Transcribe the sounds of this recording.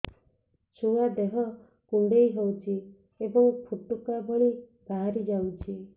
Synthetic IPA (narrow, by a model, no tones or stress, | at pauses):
t͡ʃʰuad̪eɦɔ | kuɳɖejɦowt͡ʃʰi | ebɔŋpʰuʈukaboɭi | baɦaɾid͡ʒawt͡ʃʰi